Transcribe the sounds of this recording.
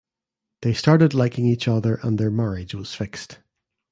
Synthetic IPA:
ðestaɹʔɪdˡlˠaɪkɪ̃ŋit͡ʃʌðə˞ʔə̃nðə˞maɹɪd͡ʒwɒz̥fɪkst

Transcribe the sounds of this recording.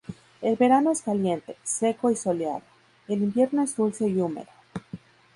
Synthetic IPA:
e̞lβe̞ɾano̞eskalje̞nt̪e̞̥se̞ko̞iso̞lea̰ðo | elimbje̞ɾno̞e̞zd̪ulse̞iumḛðo

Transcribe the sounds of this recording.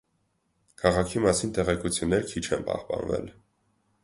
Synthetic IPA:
kʰɑʁɑkʰimɑsint̪ɛʁɛkut͡sʰjunːɛɾkʰit͡ʃʰɛnpɑ̰hpɑ̰nvɛ̰l

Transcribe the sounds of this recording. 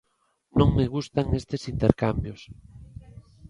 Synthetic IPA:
nõŋmeɣust̪aŋest̪esint̪eɾkambjos

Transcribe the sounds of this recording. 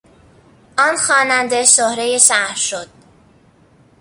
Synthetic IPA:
ʔɒːnxɒːnænd̪esohɾejeʃæhɾʃod̪̥̚

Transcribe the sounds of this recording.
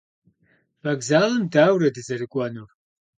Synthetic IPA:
vɐɡzaːlɐmdaːwrɐdɨzɐɾɨkʷʼɐnur

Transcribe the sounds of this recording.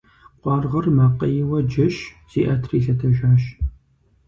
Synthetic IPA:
qʷɑːrʁərmɐqəjɪwɐd͡ʒɪʃ | z̥iːʔɐtʰriːɬɐtʰɐʒaːʃ

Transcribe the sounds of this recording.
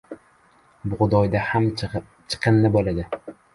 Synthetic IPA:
bʊʁʊd̪ɒjd̪aham | t͡ʃʰɨ̥qʰɨnːɪbolad̪ɪ

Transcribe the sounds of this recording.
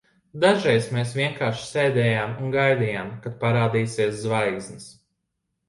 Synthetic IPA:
d̪aʒɾɛjsmeːs̬ʋʲiɛŋkaːɾʃi̥seːd̪ɛːjaːmunɡajd̪ijaːmkat̪̚paɾaːd̪iːsiɛszvajɡznis

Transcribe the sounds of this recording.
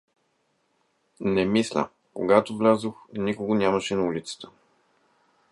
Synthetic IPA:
nɛmislʲə̰ | koɡat̪ovlʲazoxnikoɡonʲaməʃɛnɐulʲit̪sə̥t̪ə̥

